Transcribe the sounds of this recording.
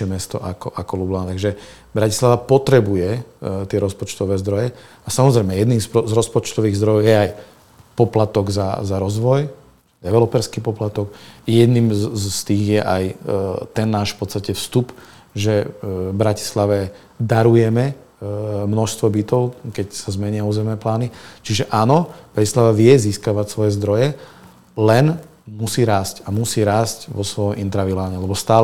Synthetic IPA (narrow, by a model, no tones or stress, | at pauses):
ɛmɛst̪ɔ̰ʔakɔʔakɔlublant̪aɡʒɛ | bɾaci̥slaʋapɔt̪ɾɛbujɛt̪ɪɛɾɔspɔt͡ʃt̪ɔʋɛːzd̪ɾɔjɛ | asamɔzɾɛjmɛjɛd̪niːmsɔzɾɔspɔt͡ʃt̪ɔʋiːɣzd̪ɾɔjɔjɛaj | pɔplat̪ɔɡza̰zaɾɔzʋɔj | d̪̥ɛʋɛlɔpɛɾskiːpɔplat̪ɔkjɛd̪niːmzst̪iːɣjɛʔajt̪ɛnːaːʃfpɔt̪st̪acɛfst̪up | ʒɛbɾaci̥slaʋɛ | d̪aɾujɛmɛ | mnɔʃst̪ʋɔbit̪ɔʊkɛcsazmɛɲɪauːzɛmnɛːplaːnit͡ʃiʒɛʔaːnɔb̥ɾacislaʋaʋɪɛziːskaʋacsʋɔjɛzd̪ɾɔjɛ | lɛn | musiːɾaːscamusiːɾaːscʋɔsʋɔjɔmʔint̪ɾaʋilaaɲɛlɛbɔst̪aː